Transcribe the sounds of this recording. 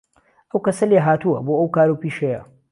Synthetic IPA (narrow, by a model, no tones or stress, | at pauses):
ʔɐwkɐsɐleːɦaːt̪uɐ̰boːʔɐwkaːɾuwpiːʃejɐ̰